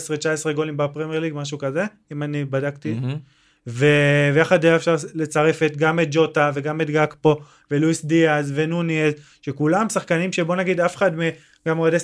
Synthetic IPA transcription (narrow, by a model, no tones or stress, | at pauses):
sʁet͡ʃaesʁeɡo̞limbapʁemjeʁliɡmaʃukaze̞ | imanibadakt̪i | vevjaχad̪leaefʃaʁle̞t͡saʁe̞fet̪ɡamet̪̚d͡ʒo̞tave̞ɡamet̪ɡakpo̞ | ve̞luisdiazvenuniez | ʃekulamsaχkanimʃe̞bo̞naɡid̪afeχad̪me | ɡamoade